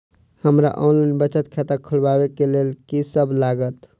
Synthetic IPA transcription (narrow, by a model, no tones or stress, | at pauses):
həmɾa̰ʔɔnlaɪnbət͡ʃət̪kʰet̪akʰəlbabekelelkisəbʱlaɡət̪